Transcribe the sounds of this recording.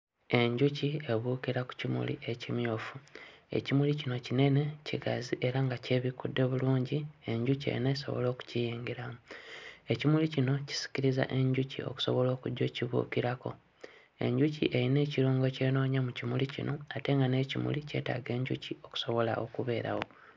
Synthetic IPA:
e̞ɲɟucie̞βuːkiɾaku̥cimṵlḭʔecimjoːfue̞̰cimulicino̞cine̞ne̞ciɡa̰ziʔe̞ɾaŋɡace̞ːβikudːe̞βuluːɲɟie̞ɲɟucḛineso̞̰βo̞̰lo̞ːku̥cijiːŋɡiɾamue̞cimulicino̞ci̥si̥ciɾiza̰ʔe̞ɲɟucḭo̞̰ku̥so̞βo̞lo̞ːkuɟːo̞ciβṵkiɾako̞̰ | e̞̰ɲɟucḭʔe̞ɾine̞ːciɾuːŋɡo̞ce̞ːno̞ːɲamucimulicḭnʔo̞ate̞ŋɡane̞cimṵlice̞̰ːta̰ːɡe̞ːɲɟṵcio̞ku̥so̞βo̞laʔo̞kuβe̞ːɾa̰wo̞

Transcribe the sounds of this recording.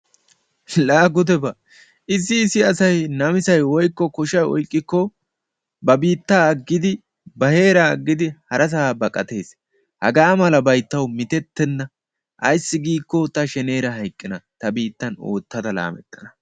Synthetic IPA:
laːɡʊd̪ɛbɐ | ʔɪs̬ːɪːsːɪɐsɐjnɐmɪsɐjwɔjkːɔkɔʃɐjɔ̰jkʼːɪkːɔ | bɐbiːt̪ːaːɐɡːɪd̪ɪ | bɐhe̞ːɾɐːɡːɪd̪ɪhɐɾʔɐs̬abɐkʼɐt̪e̞ːs | hɐɡaːmɐlɐbɐjt̪ːɐwmɪt̪ɛt̪ːɛnːɐ | ʔɐjsːɪɡiːkːɔt̪ɐʃɛne̞ːɾɐɦɐjkʼːɪnɐt̪ɐbiːt̪ːɐno̰ːt̪ːɐd̪ɐla̰ːmɛ̰t̪ʼːɐ̥nɐ

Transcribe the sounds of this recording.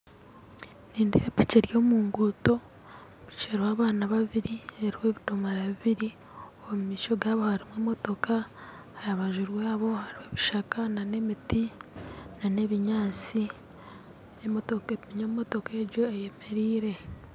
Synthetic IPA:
niːndeepiceɾjo̞ːmuːŋɡuto̞ | i̥t͡ʃeɾwaːβaːnaβaβiɾieɾiwe̞ːβitomaɾaβiβiɾi | omumiːʃo̞ɡaːβo̞haɾimweːmo̞to̞ka | hajaβaʒuɾweaβo̞haɾiweβiʃakanane̞miti | nane̞βiɲaːt͡si | emotoemiɲommotokeɾɟo̞eje̞me̞ɾiːɾe̞

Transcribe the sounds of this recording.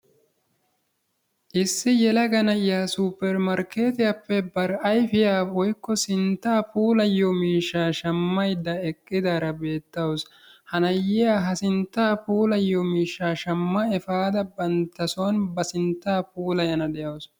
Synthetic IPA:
ʔɪsːɪjɛlɐɡɐnɐʔɪjaːsupːɛɾmɐɾke̞ːt̪ɪjapːɛbɐɾɐjfɪjaːɔjkːɔsɪnt̪ːaːpuːlɐjːomiːʃːaːʃɐmːɐjd̪ːɐɛkʼːɪd̪aːɾɐbe̞ːt̪ːɐws | hɐnɐjːɪjaːɦɐsɪnt̪ːaːpuːlɐjːomiːʃːaːʃɐmːɐɛfaːd̪ɐbɐnt̪ːɐsoːnbɐsɪnt̪ːaːpuːlɐjɐnɐd̪ɛjɐws

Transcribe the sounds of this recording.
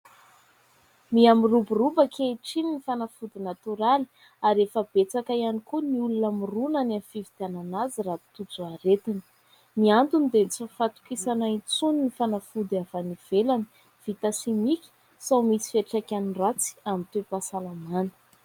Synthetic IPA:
miamiruburubəkʰeʈ͡ʂininifanafud̪inat̪uɾali̥ | aɾefəb̥et͡sakajanikuniulunamirunanamfivit̪iananazirat̪ut͡suaɾet̪inə̥ | miand̪unid̪enit͡sifat̪u̥kisanait͡suninifanafud̪avaniv̥elani̥ | v̥it̪asimikʲi̥ | sawmisi̥feʈ͡ʂakʲanirat͡si̥amint̪epasalamanə̥

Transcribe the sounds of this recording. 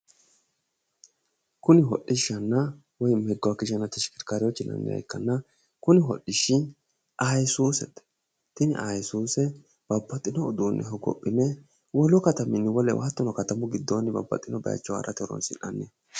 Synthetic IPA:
kʊnɪɦɔ̰ʔɪʃːɐnːɐ | wɔjmɛɡːʊwakɪʃɐnɐt̪ːɪʃɪ̥kɪɾkaːɾɪjɔt͡ʃːɪnːɐ̰nːɛ̰j̰jkːɐnːɐ | kʊnɪɦɔ̰ɗɪʃɪ | ajɛsuːsɛt̪ | t̪ɪnɪʔajɛsuːsɛ | b̥ɐbːɐt̪ʼːɪnɔːd̪uːnːɛ̰ɦɔɡɔ̰pʼːɪnɛ | wɔlɔkɐt̪ɐmɪnːɪwɔlɛ̰wʔa̰ːt̪ːɔnɔkɐt̪ɐmʊɡɪd̪ːoːnːɪbɐ̰bːɐ̰t̪ʼːɪnɔbɐ̰jɐ̰t͡ʃːɔwa̰ːɾʔɐt̪ɛɾɔ̰nsɪ̰nʔɐnːɛ

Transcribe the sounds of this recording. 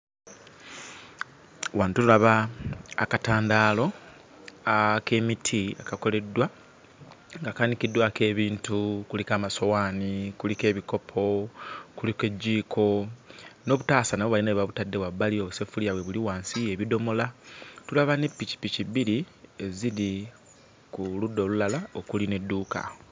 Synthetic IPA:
waːntuulaβaː | kataːndaːlo̞ | ake̞ːmitʰiakako̞le̞dːwa | ŋɡakanikidːwake̞ːβiːntukulikaːmaso̞waːnikulike̞ːβiko̞pʰo̞kulike̞ɟːiːkʰo̞ | no̞ːβutaːsanaβoβalinaβaβutadːe̞wabːalio̞ːβuse̞fuliawe̞βuliwaːnsieβido̞mo̞latulaβane̞pːici̥pːiciβiɾi | e̞zili | kuludːo̞lulalaokuline̞dːuːka̰o

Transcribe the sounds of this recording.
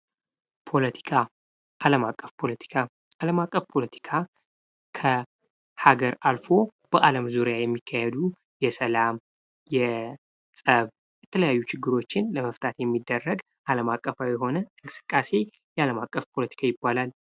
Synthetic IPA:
pʰo̞lət̪ʰi̥kʰa | ʔaləmakʼːəfpʰo̞lət̪ʰi̥kʰa | aləmakʼːəfpʰo̞lət̪ʰi̥kʰa | kʰə | haɡəɾalfo̞b̥əʔaləmzuɾjajɛmːikʰːahɛd̪u | jɛsəlam | jɛ | sʼəβ | jɛt̪ʰələjajːut͡ʃɪɡːɨɾo̞t͡ʃːɪnləməft̪ʰat̪jɛmːid̪ːərːəɡ | ʔaləmakʼːəfawjɛɦo̞nəɨŋkʼɨ̥sɨ̥kʼːase̞ | jɛaləmakʼːəfpʰo̞lət̪ʰi̥kʰajɪbːalal

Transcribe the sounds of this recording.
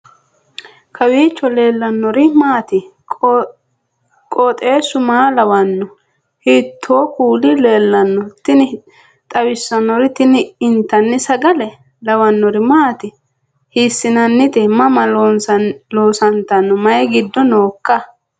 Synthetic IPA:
kʰɐwiːt͡ʃːɔle̞ːlːɐnːɔɾɪmaːt̪ɪ | kʼɔt̪ʼe̞ːsʊmaːlɐwɐnːɔ | hit̪ʰːoːkuːlɪle̞ːlːɐnːɔt̪ɪnɪ | t̪ʼɐwɪsːɐnːɔɾɪt̪ɪnɪɪnt̪ːɐnːɪsɐɡɐlɛ | lɐwɐnːɔɾɪmaːt̪ɪ | hisːɪnɐnːɪt̪ʼɪmɐmɐlonsloːsɐnt̪ɐnːɔmɐjɛɡɪd̪ːɔnoːkːɐ

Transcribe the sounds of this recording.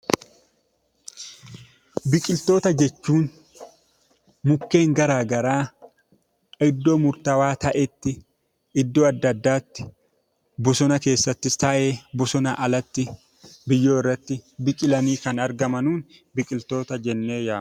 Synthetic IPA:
bɪkʼɪlt̪o̞ːt̪ɐd͡ʒɛt͡ʃːuːn | mʊkːe̞ːŋɡɐɾaːɡɐɾaː | ɪd̪ːoːmʊɾt̪ɐwaːt̪ɐʔɛt̪ːɪ | ɪd̪ːoːɐd̪ːɐd̪ːaːt̪ːɪ̥ | bʊsɔnɐke̞ːsːɐt̪ːɪst̪ɐʔeːbʊsɔnɐʔɐlɐt̪ːɪ | bɪjːoːɪrːɐt̪ːɪbɪkʼɪlɐniːkɐnɐɾɡɐmɐnuːn | bɪkʼɪlt̪o̞ːt̪ɐd͡ʒɛnːe̞ːjaːm

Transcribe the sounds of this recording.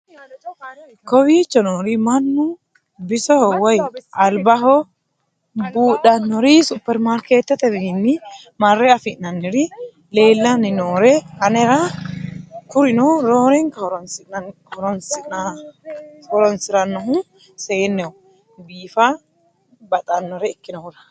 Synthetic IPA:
kɔwiːt͡ʃːɔnoːɾimɐnːu | bɪsɔhɔwɐjʔɐlbɐɦɔ | buːɗɐnːɔɾisupːɛɾmaɾket̪ːɛt̪ɛɾinːi | mɐrːɛafɪnɐnːiɾi | le̞ːlːɐnɪnoːɾɛkɐnɛɾa | kʊɾɪnɔɾoːɾɛŋkɐhɔɾɔnsɪ | ɔɾɔnsɪna | hɔɾɔnsɪɾɐnːɔɦʊ | seːnːɛʊ | biːfa | bɐt̪ʼɐnːɔɾɛɪkːɪnɔhʊɾɐ̥

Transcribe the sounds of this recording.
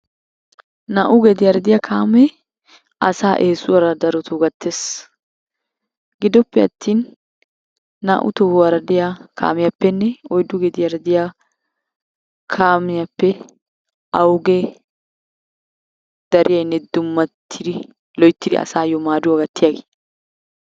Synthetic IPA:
naːʔʊɡɛd̪ɪjɐɾɐd̪ɪjakʰaːmɛ | ʔɐsaːʔeːsʊwɐɾɐd̪ɐɾɔt̪ʰʊɡɐt̪ʰːeːs | ɡɪd̪ɔpːɛɐt̪ːiːn | a̰ːʔʊ̰t̪ɔwɐɾɐd̪ɪjakʰa̰ːmɪjɐpːɛnːɛɔjd̪ʊɡɛd̪ɪjɐɾɐd̪ɪja | kʰaːmɪjɐpːɛ | ɐwʊɡɛ | d̪̥ɐɾʔɪjɐjnːɛd̪ʊmːɐt̪ʰːɪd̪ɪ | lɔjt̪ːɪd̪ɪ̰ʔɐ̰saːjɔmaːd̪ʊɐɡɐt̪ːɪjaɡe̥

